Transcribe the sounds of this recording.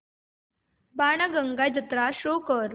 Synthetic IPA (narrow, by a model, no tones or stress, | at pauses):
baːɳəɡəŋɡad͡ʑət̪ɾaɕoːkəɾ